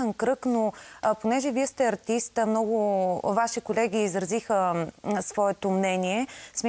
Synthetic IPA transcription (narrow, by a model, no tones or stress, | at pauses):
ənkɾɤknoponɛʒɛviɛst̪ɛɐɾt̪ist̪əmnɔɡʊvaʃikolɛɡʲiːzɾɐzixəsvɔɛt̪omnɛniɛsm